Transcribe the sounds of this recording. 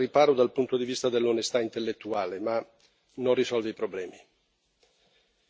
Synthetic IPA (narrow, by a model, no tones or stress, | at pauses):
ipaːɾod̪alpunt̪od̪ivist̪ad̪elːonest̪aint̪elːet̪ːuaːlema | norːisɔlveipɾoblɛːmi